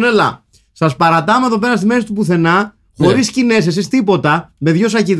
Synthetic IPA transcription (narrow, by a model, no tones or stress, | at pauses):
nelɐ̰ | sɐspɐɾɐt̪ɐmeðo̞pe̞ɾɐst̪ime̞si̥t̪upuθe̞nɐ | xo̞ɾiscine̞ses̬ist̪ipo̞t̪ɐme̞ðʝo̞sɐcið